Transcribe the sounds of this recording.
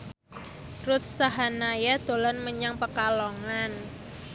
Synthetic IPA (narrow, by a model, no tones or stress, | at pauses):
rut̪̚saɦanajad̪̥o̤lɔnməɲaŋpəkalɔŋan